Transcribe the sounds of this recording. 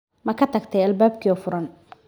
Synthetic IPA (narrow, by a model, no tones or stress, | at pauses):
mɐkʰɐt̪ʰɐɡt̪ʰɐjɐlbaːb̚kʰiɔfʊɾɐn